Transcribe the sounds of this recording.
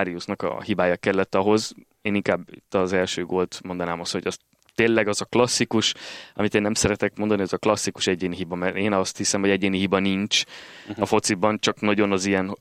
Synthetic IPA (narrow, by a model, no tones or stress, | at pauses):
aɾiusnɒkɒ̰hibaːjɒkɛlːɛt̪ːɒɦo̞z | eːniŋkaːbḭt̪ːɒzɛlʃøːɡolt̪mo̞nd̪ɒnaːmɒst̪ho̞̰ɟɒs | t̪eːlɛɡɒzɒklɒsːikuʃɒ̰mit̪eːnːɛmsɛɾɛt̪ɛkmond̪ɒniɒzɒklɒsːiku̥ʃɛɟeːniɦibɒmɛɾeːnɒst̪hisɛmho̞ɟɛɟeːnihibɒniɲt͡ʃɒfo̞t̪sibɒnt͡ʃɒknɒɟo̞nɒzijɛn